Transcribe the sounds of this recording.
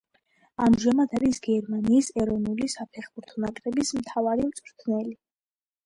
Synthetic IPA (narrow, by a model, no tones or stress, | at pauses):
amʒamad̪aɾisɡɛɾmaniːsɛɾɔnulisapʰɛχbuɾt̪ʰɔnakʼɾɛbismt̪ʰavaɾimt̪sʼɾt̪ʰnɛli